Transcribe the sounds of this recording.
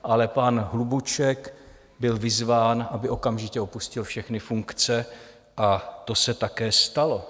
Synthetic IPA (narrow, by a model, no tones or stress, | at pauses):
ʔalɛpanɦlubut͡ʃɛk | bɪlvɪzvaːnʔabɪʔo̞kamʒɪcɛo̞puscɪlfʃɛxnɪfuŋkt͡sɛ | ʔat̪o̞sɛt̪akɛːst̪alo̞